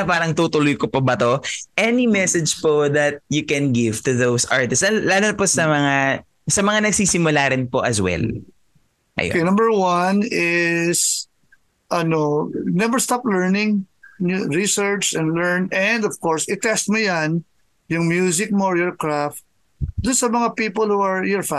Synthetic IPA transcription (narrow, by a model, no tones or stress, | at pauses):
paːɾɐŋt̪ut̪ʊlʊjkopɐbɐt̪oʔɛnimɛsɛd͡ʒpoðɐt̪̚jʊkɛnɡɪvt̪ʊðowsʔaɹt̪ɪstɐlaːlonɐposɐmɐŋa | sɐmɐŋanɐɡ̚siːsɪmʊlaːɾɪnpo̞ʔɐswɛ̰l | ʔɐ̰jo̰kenɐ̃mbəɹwanɪs | ʔɐnonɛvɛɹst̪aplɛɹnɪ̃ŋ | ɹisɛɹt͡ʃɛ̃nd̪lɛɹnɛ̃nd̪ɔv̥kɔɹsɪt̪ɛst̪̚mʊjan | jʊŋmjuːzɪk̚moɹjɔɹkɹaft̪̚ | d̪ʊnsɐmɐŋapiːpolhuɐɹjɛɹfa